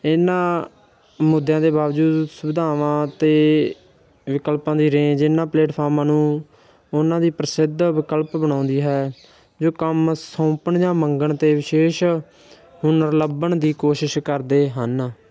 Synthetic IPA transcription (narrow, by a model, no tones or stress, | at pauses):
ɪnãː | mʊd̪ʱjãːd̪eːbaːʋd͡ʒuːd̪sʊbɪd̪ʱaːʋãːt̪eː | ʋɪkəlpãːd̪iːɾẽːd͡ʒɪnãːpleːʈpʰaːɾmãːnũː | ʊnãːd̪iːpɾəsɪd̪ʋɪkəlpbəɽ̃ãːʊ̃nd̪iːɦɛː | d͡ʒoːkəmsõːpəɳd͡ʒãːməŋɡəɳt̪eːʋɪʃeːʃ | hʊnəɾləbəɳd̪iːkoːʃɪʃkəɾd̪eːɦən